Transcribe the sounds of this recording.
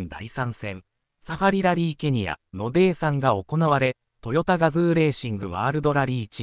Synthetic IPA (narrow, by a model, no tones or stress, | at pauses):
nd̪a̰isãɰ̃sẽ̞n | saɸaɾʲiɾaɾʲiːke̞ɲ̟ia̰no̞d̪e̞ːsãŋɡao̞ko̞naβaɾe̞ | t̪o̞jo̞t̪aɡazɨːɾe̞ːɕĩŋɡɯ̟βaːɾɯ̟d̪o̞ɾaɾʲiːt͡ɕi